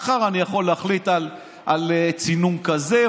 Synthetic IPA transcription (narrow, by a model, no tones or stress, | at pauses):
χaʁanijaχo̞lːeaχlit̪al | ʔalet͡sinumkaze